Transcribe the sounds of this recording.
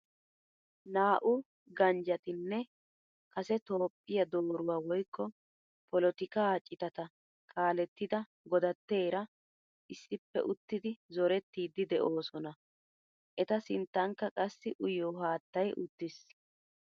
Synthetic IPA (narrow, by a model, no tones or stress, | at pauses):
naːʔʊ | ɡɐnd͡ʒɐt̪ɪnːɛ | kɐsɛt̪o̞ːpʼːɪjɐd̪o̞ːɾʊwaːwɔjkːɔ | pɔlɔt̪ɪkaːt͡ʃʼːɪt̪ɐt̪ɐ | kʼaːlɛt̪ːɪd̪ɐ | ɡɔd̪ɐt̪ːe̞ːɾɐ | ʔɪsːɪpːɛ̰ʔʊt̪ːɪd̪ɪzɔɾɛt̪ːiːd̪ɪd̪ɛʔo̞ːsɔnɐ | ʔɛt̪ɐsɪnt̪ːɐŋkːɐkʼɐsːɪʔʊjoːɦaːt̪ːɐjʔʊt̪ːɪs